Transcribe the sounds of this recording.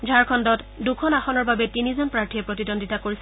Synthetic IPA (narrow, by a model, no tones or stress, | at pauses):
d͡ʒʱaɹkʰɔndɔt | dukʰɔnaxɔnɔɹbabɛtinizɔnpɹaɹtʰiɛpɹotidɔnditakoɹisɛ